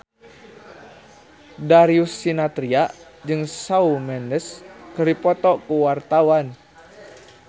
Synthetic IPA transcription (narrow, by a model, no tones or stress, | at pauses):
daɾiusːinat̪ɾiaʔd͡ʒɨŋsaumɛndəskəripɔt̪ɔkuwart̪awan